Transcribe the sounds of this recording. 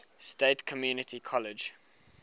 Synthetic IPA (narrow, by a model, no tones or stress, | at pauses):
steːtkʰɔmjuːnɪtʰikʰɔlɪd͡ʒ